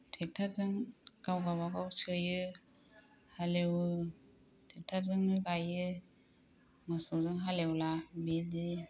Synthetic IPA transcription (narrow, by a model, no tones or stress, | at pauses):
tʰek̚tʰaɾzɯŋkawɡawakawsɯjɯ | halewɯ | tʰek̚tʰazɯŋnɯɡajɯ | ŋasɔzɯŋɦalewlabidi